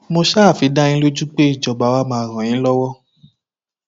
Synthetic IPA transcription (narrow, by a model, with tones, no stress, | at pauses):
mo˧ʃaː˦˨fi˨˦da˦ɲĩ˦lo˦d͡ʒu˦k͡pe˦i˦˨d͡ʒɔ˨ba˨˦wa˦mãː˧˦˨ɾ̃ã˨j̃ĩ˨˦lɔ˦wɔ˦